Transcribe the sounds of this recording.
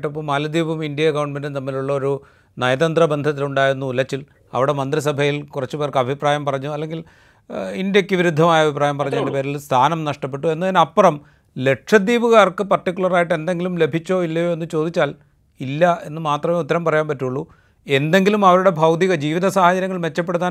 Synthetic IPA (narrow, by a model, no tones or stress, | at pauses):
ʈːɐpːoːmaːlɐd̪iːbumindijɐkɐwɳɖmendɨt̪ɐmːiluɭːɐo̞ɾu | nɐjɐðɐnd̪rɐbend̪ʱɐt̪ːiluɳɖaːjiɾunːuːlɐt͡ɕːil | ɐ̰ʋiɽe̞mɐnd̪ris̬ɐbʱɐjilkurɐt͡ɕːupeːrkɨɐbʱipraːjɐmpɐrɐɲːuɐlːe̞ŋɡil | indjɐkʲːɨʋiɾud̪ʱːɐmaːjɐbʱipraːjɐmpɐrɐɲːaːɳɖepe̞ːɾilst̪ʰaːnɐmnɐʂʈɐp̬ːe̞ʈːue̞nːɐðinɐpːrɐm | le̞ʈʂɐd̪iːbuɣaːrkɨpɐrʈikʲːuɭɐraːjiʈːe̞nd̪e̞ŋɡilumle̞bʱit͡ɕːo̞ːilːɐjo̞ːe̞nːɨt͡ɕo̞ːd̪it͡ɕːaːl | ilːɐe̞nːɨmaːt̪rɐme̞ːut̪ːɐɾɐmpɐrɐjaːnpɐtːuɭːu | e̞nd̪e̞ŋɡilumɐʋɐɾuɽe̞bʱɐwd̪iɣɐd͡ʑiːʋiðɐsaːhɐd͡ʑɐɾjɐŋːɐɭʋe̞t͡ɕːɐp̬ːeɽut̪ːaː